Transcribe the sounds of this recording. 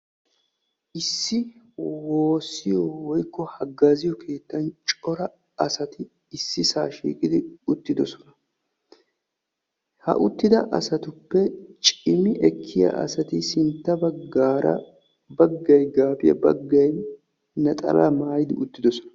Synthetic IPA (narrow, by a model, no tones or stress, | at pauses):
ʔɪsːɪ | woːsːɪjɔwɔjkːɔhɐɡːazɪjɔkʰe̞ːt̪ːɐnt͡ʃʼɔɾɐ | ɐsɐt̪ɪ | ɪsːɪsa̰ːʃḭːkʼɪd̪ɪʊt̪ːɪd̪ɔsɔnɐ | hɐ̰ʔʊt̪ːɪd̪ɐʔɐ̰sɐt̪ʊpːɛt͡ʃʼɪmɪʔɛkʰːɪjɐ̰ʔɐ̰sɐt̪ɪsɪnt̪ːɐbɐɡaːɾɐ̰ | bɐɡːɐjɡaːbɪjɐ̰bɐ̰ɡːɐj | nɐt̪ʼɐ̰lɐ̰maːjɪd̪ɪʊt̪ːɪd̪ɔsɔ̥nɐ̥